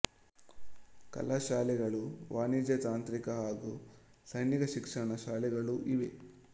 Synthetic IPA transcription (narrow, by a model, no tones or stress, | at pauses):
kɐ̰laʃaːlɛɡɐɭuʋaːnid͡ʒɐt̪aːnt̪ɾikɐɦaːɡusɐjniɡɐʃikʂɐɳɐʃaːlɛɡɐɭuʔiʋḛ